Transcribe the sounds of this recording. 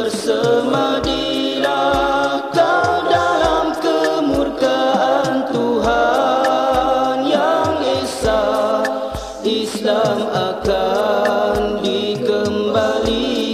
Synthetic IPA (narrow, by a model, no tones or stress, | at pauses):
ərsəmadi | ɾa | k̪awdalamkəmurkaʔant̪uɦa | njaŋdesa | islamaka | ndikəmbali